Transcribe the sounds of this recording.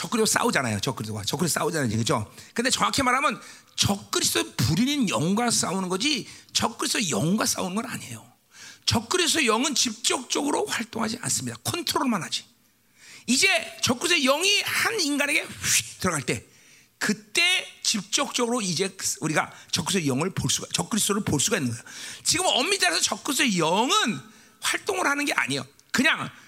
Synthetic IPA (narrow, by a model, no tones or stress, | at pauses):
t͡ɕʌk͈ɯɾisos͈a̰ud͡ʑanajo̰t͡ɕʌk͈ɯɾisʰoɡwa̰t͡ɕʌkɯis̬͈ʰs͈a̰ud͡ʑanɯd͡ʑikɯd͡ʑo̰kɯndet͡ɕʌŋakʰemaɾɦamjʌn | t͡ɕʌk̚k͈ɯɾisʰdopuɾininjʌŋɡwas͈aunɯnɡʌd͡ʑit͡ɕʌk͈ɯɾis͈ʰojʌŋɡwas͈a̰unɯnɡʌna̰ɲḛjo | t͡ɕʌk͈ɯɾiss̬ʰʌjʌŋɯnt͡ɕip̚t͡ɕ͈ʌk̚t͡ɕ͈ʌɡɯɾoɸwaɭt͈oŋɦad͡ʑia̰ns͈ɯmɲidakʰontʰɯɾoɭmanɦad͡ʑi̥ | id͡ʑe̞t͡ɕʌk͈usʰejʌŋihaninɡane̞ɡe̞ɸik̚tɯɾʌɡaɭt͈e̞ | kɯt͈e̞t͡ɕip̚t͡ɕ͈ʌk̚t͡ɕ͈ʌɡɯɾoid͡ʑe̞suɾiɡa̰t͡ɕʌk͈ːusʰejʌŋɯɭpoɭs͈uɡat͡ɕʌk͈ɯɾisʰoɾɯɭpoɭs͈uɡainːɯnŋɡʌjot͡ɕiɡɯmʌmːit͈aɾasʰʌt͡ɕʌk͈us̬ʰejʌŋɯn | ɸwaɭt͈oŋɯɾhanɯnɡe̞ʔa̰ɲe̞jo̰ | kɯɲaŋ